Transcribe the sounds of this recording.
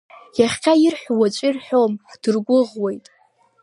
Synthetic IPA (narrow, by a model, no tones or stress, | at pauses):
jaχʲqʲʰajɪrħʷwat͡ʃʷʼirħʷᶣomħd̥ɨrɡʷʊʁwejtʼ